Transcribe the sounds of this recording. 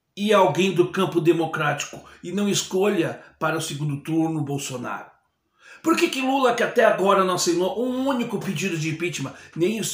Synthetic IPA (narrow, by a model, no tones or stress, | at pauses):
ɪawɡẽj̃d̪ʊkɐ̃mpʊd̪emokɾat͡ʃi̥kʊ̥ɪnɐ̃w̃ɪskoʎɐpaɾɐʊsɪɡũnd̪ʊt̪uɾnʊbowsona̰ɾʊ | poɾkekɪlulɐkɪat̪ɛaɡɔɾɐnɐ̃w̃sẽjnoʔũũnikʊpɪd͡ʒid̪ʊd͡ʒɪẽpit͡ʃimɐnẽj̃is